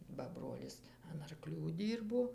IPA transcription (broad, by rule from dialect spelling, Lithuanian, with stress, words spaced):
bɐ ˈbroːlʲɪs ɐn ɐrˈklʲuː ˈdʲiːrboː